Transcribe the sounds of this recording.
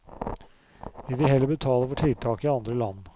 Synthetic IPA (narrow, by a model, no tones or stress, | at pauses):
ɪd̪ɛɦɛlːəbət̪ʰɑːləfɔʈʰɪl̚t̪ʰɑːkɪɑnd̪ɾəlɑn